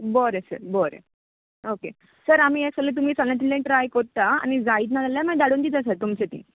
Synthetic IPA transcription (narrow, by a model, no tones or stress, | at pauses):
boɾesə̰ɾboɾḛ | oke | səɾam̤iːeksəlet̪um̤iːt͡sallãt̪̬ilẽʈɾajkoɾt̪aa̰ñid͡zaiːt̪̬nad͡zaljamə̃d̪aɽuːnd̪iːt̪asət̪umt͡ɕet̪ḭ̃ː